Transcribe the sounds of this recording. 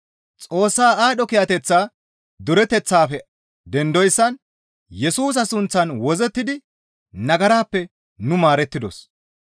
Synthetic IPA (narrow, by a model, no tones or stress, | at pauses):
t͡sʼo̞ːsːaːaːɗɔkɪjɐt̪ɛt͡sːaː | d̪ʊɾɛt̪ɛt͡sːaːfɛ | d̪ɛnd̪ɔjsːɐn | jɛsuːs̬ɐsʊnt͡sːɐnwɔzɛt̪ːɪd̪ɪ | nɐɡɐɾaːpːɛ | nʊmaːɾɛt̪ːɪd̪ɔs